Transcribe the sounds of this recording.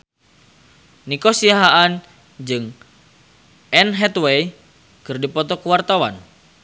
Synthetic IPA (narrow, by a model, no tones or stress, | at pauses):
nikosiaɦaan | d͡ʒɨŋ | ʔɛnɦɛt̪wej | kɨrdipɔt̪ɔkəwart̪awan